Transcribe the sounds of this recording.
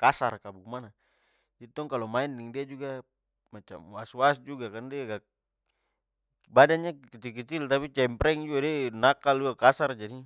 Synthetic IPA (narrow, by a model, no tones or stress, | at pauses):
kasarkabukmana | d͡ʒait̪ɔŋkalɔmaɛndɛŋdiad͡ʒuɡa | mat͡ʃa̰mwaswasd͡ʒuɡakandiɡa | badanɲakit͡ʃ̪ilk̬it͡ʃ̪ilt̪apit͡ʃɛmpɾɛŋd͡ʒuadɛnakaluakasard͡ʒadi